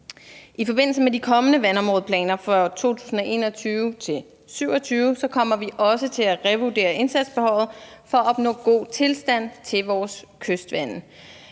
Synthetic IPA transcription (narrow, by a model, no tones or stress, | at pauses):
ifɒ̽b̥e̝n̰l̩səmedikʰɒ̽mənəʋænɒ̽mʁɔ̽ðˠpʰlɛ̰ːnɐfʁɒt͡sʰo̝̰ːt͡sʰu̥̰ːsn̩ɒʔe̝̰ːnɒ̽t͡sʰyːʊt͡sʰe̝l | syʊɐ̽t͡sʰyːʊsɒ̽kʰɒ̽m̰ɐʋiʔɒ̽sət͡sʰe̝læʁɛʋud̥e̝̰ːɐʔe̝nsæd̥sb̥ehɒ̽l̰ð̩ˠfɒ̽æɒ̽b̥nɔ̰̽ːɡ̥o̝̰ːt͡sʰe̝lsd̥æn̰t͡sʰe̝lʋɒːskʰøsd̥ʋæn